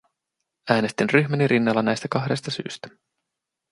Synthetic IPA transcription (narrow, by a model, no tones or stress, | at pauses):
æːne̞st̪inryçmæniɾʔinːɑlːɑnæjst̪ækɑɦde̞st̪ɑsy̰ːst̪æ̥